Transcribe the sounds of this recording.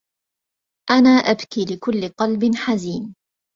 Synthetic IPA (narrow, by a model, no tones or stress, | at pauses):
ʔanaːʔabkiːlɪkʊlːɪqɑlbɪnħaziːn